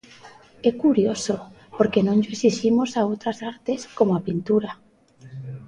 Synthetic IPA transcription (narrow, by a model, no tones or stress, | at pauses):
ɛkuɾjoso | poɾkenõnd͡ʒoesiʃimosaowt̪ɾasaɾt̪eskomoapint̪uɾa